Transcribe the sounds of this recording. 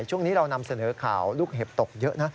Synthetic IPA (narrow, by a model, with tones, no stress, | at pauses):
jt͡ɕʰu˥˩əŋniː˦˥ɾa˧wna˧msa˧nɤː˩˦kʰa̰ː˨˩˦wluː˥˩k̚ɦe˨˩p̚t̪o˨˩k̚jə˦˥ʔna˦˥